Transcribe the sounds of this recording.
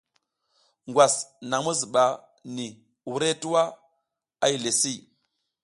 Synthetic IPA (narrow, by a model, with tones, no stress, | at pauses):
ŋɡwa˨sna˨ŋmu˦zi˨ɓa˨ | ni˨ | wu˦ɾe˦ti˦wa˦ | a˦i˨le˨si˦˨